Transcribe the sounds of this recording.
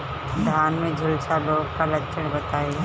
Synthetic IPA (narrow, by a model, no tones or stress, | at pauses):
d̪ʱaːnmẽd͡ʒʱʊlsaloːɡkalɐʃʰəɽ̃bɐt̪aːe